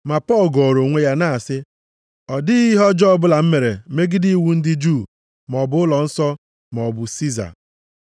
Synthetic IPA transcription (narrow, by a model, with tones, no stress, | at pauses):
ma˨pɔ˦˨lɡɔ˨ɾo˨ŋʷe˦ja˦na˦˨a˨sɪ˦ | ɔ˨dɪ˦i˦ɦɔ˦d͡ʒɔ˦bʊ˦la˨m̩˦me˨ɾe˨˦me˦ɡɪ˦di˦i˦wu˦n̩˦dɪ˦d͡ʒu˦˨ | m˨ɔ˨bʊ˨˦ʊ˦lɔ˨n̩˦sɔ˦ | ma˨ɔ˨bʊ˨si˦za̰˨